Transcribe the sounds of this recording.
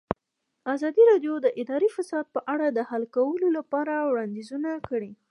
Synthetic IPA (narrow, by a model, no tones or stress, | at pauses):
azɑd̪iɾɑɖjod̪əʔɪd̪ɑɾifasɑd̪̚pəʔaɽad̪əhalkawəlolapɑɾawɽɑnd̪izunakəɽi